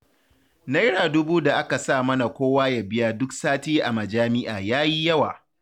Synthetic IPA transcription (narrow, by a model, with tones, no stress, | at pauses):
na˦jɽaː˨dʊ˦buː˦da˨ʔa˦ka˨saː˦˨mɐ˦na˨kʷoː˦waː˦ja˨bɪ˦jaː˦dʊ˦ksaː˦teː˦ʔa˨mɐ˨d͡ʒaː˦mɪ˦ʔaː˨jaː˦ji˦jɐ˦wa̰ː˨